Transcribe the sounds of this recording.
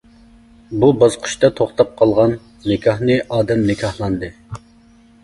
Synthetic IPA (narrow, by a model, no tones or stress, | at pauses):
bubɑzqʰə̥ʃt̪ɑt̪ʰoχt̪ɑp̚qʰɑlˠʁɑn | nɪkʲʰɑhnɨʔɑːd̪ɛmnɪkʲʰɑhlˠɑnd̪ɨ